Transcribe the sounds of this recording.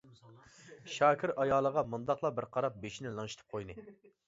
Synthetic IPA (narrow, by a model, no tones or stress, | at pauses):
ʃɑːkʲʰiɾɑjɑːlˠəʁɑmund̪ɑqlˠɑbɪɾqʰɑɾɑp̚beʃinɪlˠɨŋʃi̥t̪ʰɨ̥p̚qʰojnɨ